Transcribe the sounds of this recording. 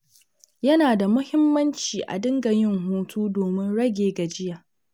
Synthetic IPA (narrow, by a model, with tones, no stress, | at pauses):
jɐ˦naː˨da˨mʊ˦hɪ˦mːɐ˦nt͡ʃiː˨ʔa̰˨dɪ˦ŋɡɐ˨ɲjɪ˦ŋɦuː˦tʰuː˦doː˨mɪ˦nɽɐ˦ɡʲeː˨ɡa˨d͡ʒɪ˦jaː˨